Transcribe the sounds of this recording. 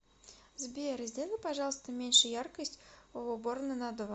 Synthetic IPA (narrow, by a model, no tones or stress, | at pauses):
zbʲeɾɨzʲdʲelʲˠɨpɐʐɑlˠəst̪əmʲenʲʂɨjarkəsʲtʲovobornɨnad̪ovɐ